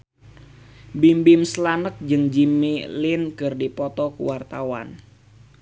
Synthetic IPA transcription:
bimbɪmslanək̚d͡ʒɨŋd͡ʒimilɪnkɨrdipɔt̪ɔkṵwart̪awa̰n

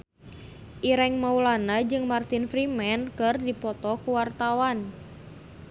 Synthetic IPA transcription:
ʔiɾɛŋmaulanad͡ʒɨŋmart̪infɾimɛnkɨrdipɔt̪ɔkuwart̪awan

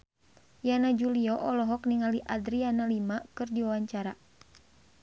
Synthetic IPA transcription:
janad͡ʒuliɔʔɔlɔɦɔkniŋaliʔadɾianalimakɨrdiwawaɲt͡ʃaɾa

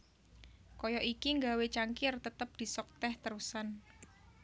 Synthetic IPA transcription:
kɔjɔʔikiŋɡawet͡ʃaŋkɪrt̪ət̪əp̚d̪̥i̤sɔk̚t̪ɛht̪əɾusan

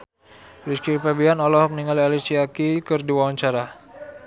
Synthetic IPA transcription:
ɾiskipɛbianɔlɔɦɔk̚niŋalialisiakikərdiwawaɲt͡ʃaɾa

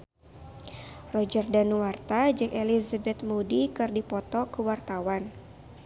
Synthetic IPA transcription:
rɔd͡ʒərdanuwart̪ad͡ʒɨŋʔelizabɛt̪modikɨrdipɔt̪ɔkəwart̪awan

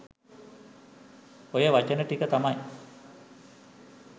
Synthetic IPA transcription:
ojəʋat͡ɕənəʈikət̪amaj

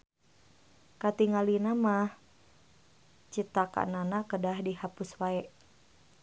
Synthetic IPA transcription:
kat̪iŋalinamah | t͡ʃit̪aka̰nanakədahdihapuswaɛʔ

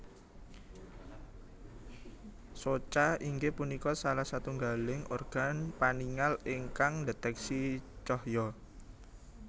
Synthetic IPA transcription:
sot͡ʃaiŋɡepunikɔsalahsat̪uŋɡalɪŋorɡ̥a̤npaniŋaleŋkaŋdet̪ɛksit͡ʃɔhjɔ

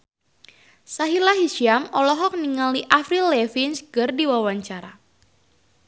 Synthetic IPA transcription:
saɦilaɦiʃiamɔlɔɦɔk̚niŋaliʔafɾilɛfinsɡɨrdiwawaɲt͡ʃaɾa

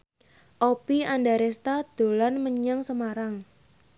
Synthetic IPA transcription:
ʔopiandaɾɛst̪ad̪̥o̤lanməɲaŋsəmaɾaŋ

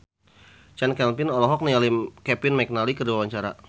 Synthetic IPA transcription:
t͡ʃɛnkɛlpɪnɔlɔɦɔk̚nialimkɛpɪnmɛk̚nalikərduwawaɲt͡ʃaɾa

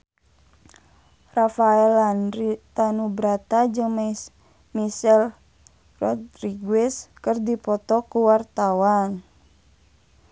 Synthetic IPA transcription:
rafaɛlanrit̪anubɾat̪ad͡ʒɨŋm | misɛl | rɔd̪riɡɛskɨrdipɔt̪ɔkuwart̪awan

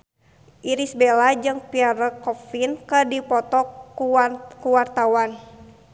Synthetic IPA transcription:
ʔiɾisbelad͡ʒɨŋpiaɾəkɔfinkədipɔt̪ɔ | kuwart̪awan

